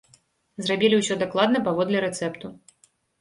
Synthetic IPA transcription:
zrabʲilʲiwsʲɔd̪aklˠad̪nɐpavɔd̪lʲɛɾɛt̪sɛpt̪u

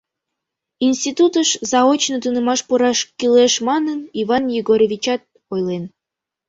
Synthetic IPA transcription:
inʲsʲt̪ʲit̪ut̪əʃzɑot͡ɕnət̪unemɑʃpuɾɑʃkileʃmɑnənivɑnjiɡoɾʲevʲit͡ɕɑt̪̚ | ojlen

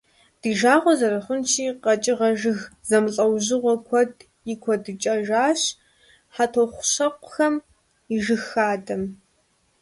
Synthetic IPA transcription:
d̥iːʒaːʁʷɔzɐɾɐχʷʊnʃiːqɐt͡ʃʼɪʁɐʒɨɣzɐmɨɬʼɐwʑɪʁʷɔkʷʰɔd | jɪkʷʰɔdɨt͡ʃʼɐʒaːɕ | ħatʰoχʷʊɕɐqʷʊxɐm | iʒɨxaːdɐm

